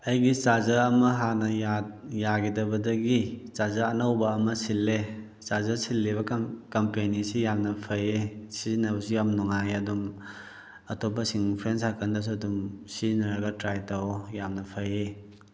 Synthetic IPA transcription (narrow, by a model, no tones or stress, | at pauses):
ɐjɡit͡ʃazɐːmɐɦanɐjatjaɡidɐbɐdɐɡit͡ʃazɐɐnawbɐːmɐsilːe | t͡ʃazɐsilːiβɐkɐmpenisijamnɐpʰɐjesizinɐbɐsujamnuŋajɐdum | ɐtʰopːɐsiŋpʰɾensakʰɐndɐs̬uɐdumsiznɐɾaɡɐtɾajtawjamnɐpʰɐje